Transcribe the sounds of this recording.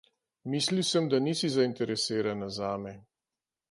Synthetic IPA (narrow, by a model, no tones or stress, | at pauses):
miːsliwsəmd̪aniːsizaint̪ɛɾɛseːɾanazaːmɛ